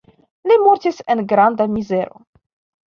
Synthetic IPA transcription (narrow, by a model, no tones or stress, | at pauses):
nimɔɾt̪isenɡɾand̪amizeɾo̰